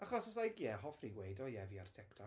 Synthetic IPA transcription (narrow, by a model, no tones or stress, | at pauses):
aχɔsɔsajɡjɛhɔfriwejdɔjɛviartʰɛktʰɔ